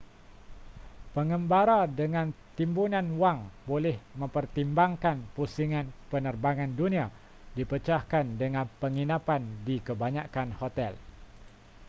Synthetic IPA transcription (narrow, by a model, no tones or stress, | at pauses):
pəŋəmbaɾadəŋãnt̪imbunãnwaŋbolɛhmə̃mpərt̪imbaŋkanpusiŋãnpənərbaŋãndunĩa | dipət͡ʃahkandəŋãnpəŋinapandikəbaɲakanhot̪ɛl